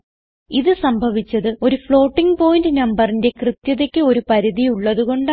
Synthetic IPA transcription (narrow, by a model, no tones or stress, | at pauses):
iðɨsɐmbʱɐʋit͡ɕːɐðɨo̞ɾufɭo̞ːʈːiŋɡpo̞ːjndɨnɐmbɐrinde̞krɨt̪jɐðekʲːɨo̞ɾupɐɾiðiuɭːɐðuɣo̞ɳɖ